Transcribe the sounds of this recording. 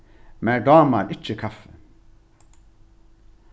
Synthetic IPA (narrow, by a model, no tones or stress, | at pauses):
mɛɖɑːmaɾʔɪt͡ʃːəkʰafːə